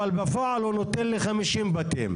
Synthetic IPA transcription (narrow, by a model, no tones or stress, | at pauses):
albafoʕalunot̪enlliχamiʃimbat̪ḭm